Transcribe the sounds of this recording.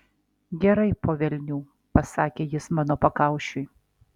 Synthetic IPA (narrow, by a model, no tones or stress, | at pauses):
ɡʲɛɾɐɪpoːʋʲɛlʲnʲuː | pɐsɑːkʲeːjɪsmɑːnoːpɐkɑˑʊʃʲʊj